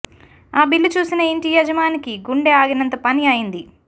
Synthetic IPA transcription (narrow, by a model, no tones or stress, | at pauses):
aːbilːut͡ʃuːsinɐiɳʈijɐd͡ʒɐmaːnikiɡuɳɖeaːɡinɐnt̪ɐpɐniɐjind̪i